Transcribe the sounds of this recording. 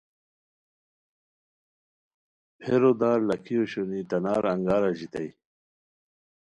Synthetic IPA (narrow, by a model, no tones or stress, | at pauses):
pʰeɾod̪aːɾlɐkʰioɕonit̪ɐnaːɾɐŋɡaːɾaʑit̪ɐj